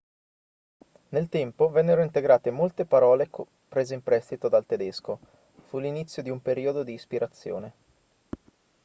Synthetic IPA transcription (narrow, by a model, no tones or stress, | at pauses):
nelt̪ɛmpovɛnːeɾoint̪eɡɾaːt̪emolt̪epaɾɔːlek | pɾeːzeimpɾɛst̪it̪od̪alt̪ed̪esko | fulinit̪sːjod̪iumpeɾiːod̪od̪iːspiɾʔat̪sːjo̰ːne